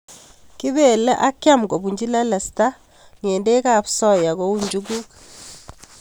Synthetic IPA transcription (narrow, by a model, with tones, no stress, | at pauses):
ki˦be˨lɛ˦ʔa˦kːja˦mɡɔ˨bu˨ɲd͡ʒi˦la˦la˨sta˦ | ŋeː˨nde˦kaː˨psɔ˦ja˨kɔ˦u˦ɲd͡ʒuɡu˦k